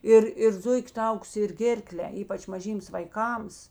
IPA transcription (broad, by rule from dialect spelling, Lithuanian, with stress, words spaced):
ˈɪr ɪr ˈzʊɪkʲ ˈtɐʊkʊs ɪr ˈɡʲeːrklʲɛ ˈiːpɐt͡ʃ mɐˈʒʲiːms ʋɐɪˈkɐms